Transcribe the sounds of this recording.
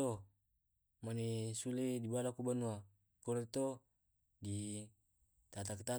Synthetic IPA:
o | manesuledibalakubanua | kɔɾet̪o | di | t̪at̪akt̪a

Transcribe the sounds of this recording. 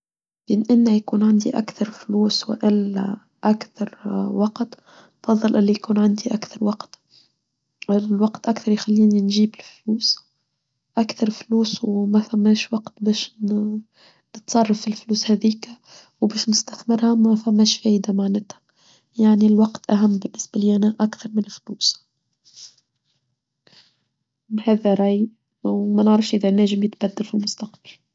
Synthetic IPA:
bɪnʔɪnːajakuːnʕand̪iʔa̰kθɑɾˤfluːsw̰ʔɪla̰ | ʔakθɑɾˤwɑqt̪ | fɑðˤːɨlʔɪlːijkuːnʕand̪iʔakθɑɾˤwɑqt̪ | lwɑqt̪ʔakθɑɾˤjxalːiːninʒiːbɪlfluːs | ʔakθɑɾˤfluːswmafamːæːʃwɑqt̪beːʃn | nət̪sˤɑrˤːɑfɪlfluːshæðiːk | wbæːʃnɪst̪æθmɪɾhæmæfæmːæːʃfæːʔd̪amaʕnæt̪hæ̥ | jaʕnilwɑqt̪ʔæɦæmːbɪnːɪsbaliːʔænæʔakθɑɾˤmɪnɪlfluːs | hæːðæɾˤɑʔj | wmænəʕɾɑfʃʔɪðænæːʒɪmjɪt̪bæd̪ːalfilmʊst̪ɑqb̥al

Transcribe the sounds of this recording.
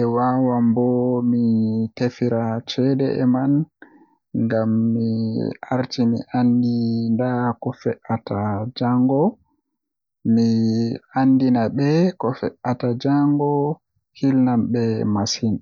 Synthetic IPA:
ɛwawambɔmitefiɾat͡ʃɛdɛ̰ʔɛman | ŋɡamːiʔaɾtimḭʔandindakɔfɛʔatad͡ʒaŋɡɔ | miandinabɛkɔfɛʔatad͡ʒaŋɡɔ | kilnambɛmasin

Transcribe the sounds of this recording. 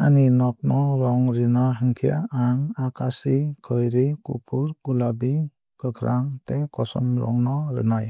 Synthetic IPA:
aninɔk̚nɔɾɔŋɾinɔɦɯŋkʰia̰aŋakʰasikʰɯjɾikupʰuɾkulabi | kɯkʰɾaŋtekɔsɔ̰mɾɔ̰ŋnɔɾɯ̰naj

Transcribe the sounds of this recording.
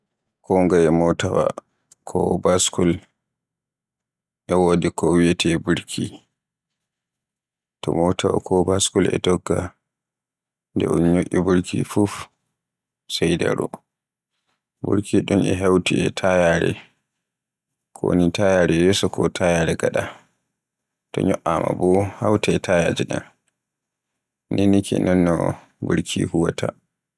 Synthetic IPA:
kʰɔŋɡajɛmɔtawa̰ | kʰɔbaskul | ʔɛwodikɔwijɛtʰɛbuɾkʰi | tɔ̰mɔtawa̰kʰɔbaskulɛ̰dɔɡːa | ndɛ̰ʔunɲoʔʲːibuɾkʰifuf | sɛjda̰ɾɔ | buɾkʰiɗumɛɦawtiɛtʰajaɾɛ̰ | kʰɔnitajaɾɛjɔsɔkʰɔtʰajaɾɛɡaɗa | tɔ̰ɲɔʔama̰bɔhawtaɛtʰajad͡ʒiɗan | nʔinikɛ̰nɛnːɔ | buɾkʰḭhuwatʰa

